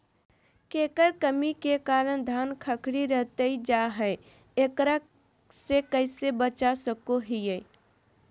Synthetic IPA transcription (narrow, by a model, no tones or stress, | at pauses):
keːkəɾkəmikekaːɾənd̪ʱaːnkʰəkɽiɾəɦt̪əid͡ʒaɦɛ | ekɾək̚ | sekəɪsebət͡ʃasəkoɦije